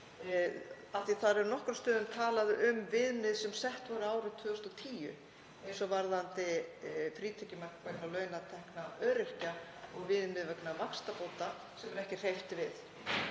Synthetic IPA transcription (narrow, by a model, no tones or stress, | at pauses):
aht̪iθaðɾɛɾnɔhkɾʏst̪œːðʏmt̪ʰaːlaðʔʏmvɪðnɪðsɛmsɛht̪vaɾʏaːwɾɪt̪ʰvʏːɔst̪ɔt̪ʰiːjʏ̰ | sɔvaɾðant̪ɪfɾiːt̪ʰɛcɪmar̥kvɛknalœːɥnat̪ʰɛhknaœːɾɪhcaɔɣvɪðnɪðvɛknavakst̪apowt̪a | sɛmɛɾɛhcɪr̥ejft̪ɪvɪð